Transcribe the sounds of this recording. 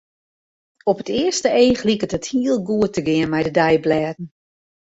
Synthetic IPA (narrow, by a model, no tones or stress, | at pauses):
ɔpətɪəstəeːxlikətəthiəlˠɡuətːəɡɪənmɛjdədɛjblɛːdn̩